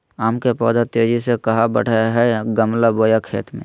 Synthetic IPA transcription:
aːmkepɔːd̪at̪eːd͡ʒisekɐɦabə̰ʈʰaeɦɛɡəmlaboːjakʰḛːt̪mḛ̃

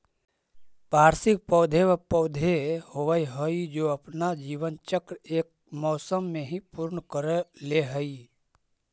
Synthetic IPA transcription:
paːɾsɪk̚pɔːd̪ʱeʋəpɔːd̪ʱehoʋəjɦoid͡ʒoːəpnad͡ʒiːʋənt͡ʃəkɾeːk̚mɔːsəmːẽɦipuɾnkəɾleɦəi

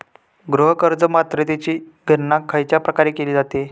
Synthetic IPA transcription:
ɡɾuɦəkəɾd͡zəmat̪ɾet̪it͡ɕiː | ɡʱəɾnːakʰːajt͡ɕjapɾəkaɾeːkeliːd͡zat̪e

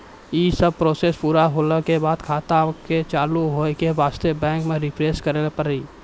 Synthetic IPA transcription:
iːsəb̚pɾoːseːspuːɾaɦoːləkebaːd̪kʰaːt̪aket͡ʃaːluɦoːekeʋaːst̪ebɛ̃ːŋkmẽɾɪpɾeːskəɾelpəɾiː

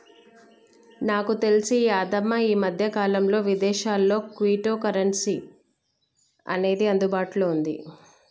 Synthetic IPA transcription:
naːkut̪e̞lisijaːd̪ɐmːɐiːmɐd̪ʱjɐkaːlɐmlo̞ːʋid̪ɛːʃaːlːo̞ːkʋiːʈoːkɐɾɐɳsi | ɐ̰ne̞ːd̪iɐnd̪ubaːʈuloːund̪ḭ

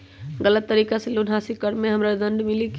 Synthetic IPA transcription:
ɡələt̪ːəɾiːkaselunɦasikəɾmeɦəmɾad̪əɳɖmilik

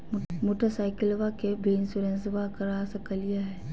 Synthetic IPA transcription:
moːʈəɾsaːɪkɪlʋakebʱeɪnsuɾensʋakəɾaːsɐkəlijaɦɛː

